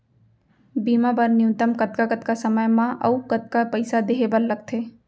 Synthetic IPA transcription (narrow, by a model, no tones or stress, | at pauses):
biːmapɐɾnɪũt̪əmkɐt̪kakət̪kasɐməjmãʔɐ̰ukɐt̪̚kapɐɪsad̪eɦebəɾlɐɡ̚t̪ʰeː